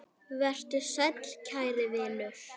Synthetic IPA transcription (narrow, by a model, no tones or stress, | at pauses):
vɛr̥t̪ʏsœt̪l̥cʰaːjɾɪvɪðnʏf